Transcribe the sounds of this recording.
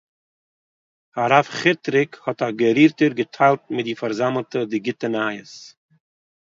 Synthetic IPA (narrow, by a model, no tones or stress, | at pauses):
haɾafχɪtɾɪkhɔtaɡəɾiːɾtəɾɡətʰaɪlˠt̚mɪd̚ɪfaɾzaml̩ˠtədɪɡɪtənajəs